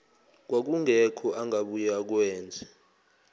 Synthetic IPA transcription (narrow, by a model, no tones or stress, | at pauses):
k̬wak̬uŋɛkʰɔʔaŋaɓujak̬wɛːnd͡zʱɛ